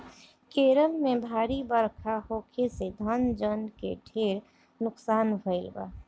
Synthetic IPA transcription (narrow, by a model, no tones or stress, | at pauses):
keːɾəlmẽbʱaːɾibəɾkʰahoːkʰesed̪ʱənd͡ʒənkeɖʰʱeːɾ | nʊksaːnbʱəɪlba̰ː